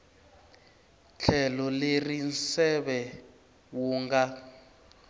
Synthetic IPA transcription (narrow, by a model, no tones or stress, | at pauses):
t͡ɬʰɛlɔlerinsɛβɛ | wuːŋɡa